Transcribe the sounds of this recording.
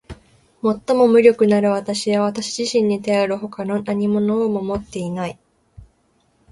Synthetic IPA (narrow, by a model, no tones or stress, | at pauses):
mo̞t̪ːo̞mo̞mɯ̟ɾʲo̞kɯ̟naɾɯ̟βat̪aɕiβaβat̪aɕiʑiɕĩɲ̟ːit̪aoɾɯ̟ho̞kano̞naɲ̟imo̞noomomo̞t̪ːe̞inai